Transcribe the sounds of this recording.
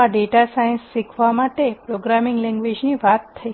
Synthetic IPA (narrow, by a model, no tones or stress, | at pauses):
aɖeʈasajnsːikʰʋamaʈepɾoɡɾamɪŋɡlɛ̃ŋɡʋed͡ʒniʋat̪ʰːəi